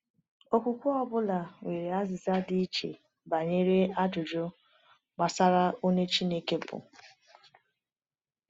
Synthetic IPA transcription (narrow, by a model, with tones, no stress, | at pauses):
o˦kʷu˨kʷu˦ɔ˦bʊ˦la˨we˨ɾe˨a˦zɪ˨za˦di˦i˦t͡ʃḛ˨ | ba˨ɲe˦ɾe˦a˦d͡ʒʊ˨d͡ʒo˦ | ɡ͡ba˨sa˦ɾa˦o˦ɲe˦t͡ʃi˦ne˦ke˦bʊ̰˨